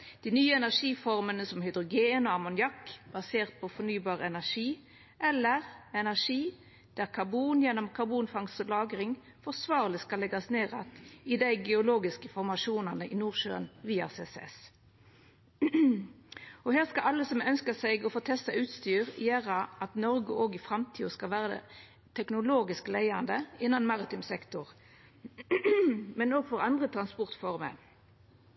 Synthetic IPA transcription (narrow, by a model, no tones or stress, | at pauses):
d̪̥inyːəɛnæʁʂiːfɔʁmənəsɔmhʏd̪ʁʊɡeːnɔɑmʊnjɑkːb̥ɑseːʁt̪̚pʰɔfɔnyːbɑːʁɛnæʁʂiː | ʔɛlːəʁɛnæʁʂiː | d̪̥æːʁkʰɑbuːnjɛnɔmkʰɑʁbuːnfɑŋst̪ɔlɑːɡɾɪŋ | fɔʁsʋɑːʁlɪskɑlːɛɡɑsneːʁɛ̰t̪ɪd̪æɪɡɛʊloːɡɪskəfɔʁmɑʃuːnɑnəʔinuːʁʃø̰ːənʋiːɑ̰sḛːsɛ̰s | ɔheːʁskɑʔɑlːəsɔmœnskəsæɪɡɔfoːt̪ʰɛst̪ɑʉːt̪st̪yːʁɪjæːʁɑʔɑt̪nɔʁɡəʔoːɡɪfʁɑmt̪ʰiːʊskɑlʋæːʁə̰ | t̪ʰɛknʊloːɡɪsklæɪɑnd̪əɪnːɑnmɑʁɪt̪ɪmsɛkt̪ʊʁ | mɛnoːɡfɔʁɑnd̪ʁət̪ʰʁɑnspɔʁt̪fɔʁmə̰